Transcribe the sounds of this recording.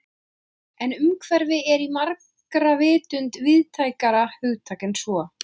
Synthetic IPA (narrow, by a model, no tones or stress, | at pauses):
ɛnʏmkʰvɛɾvɪɛɾimaɾk | ɾavɪːt̪ʏnt̪vɪðt̪ʰaːjkaɾahʏɣt̪ʰaːkɪnsvɔ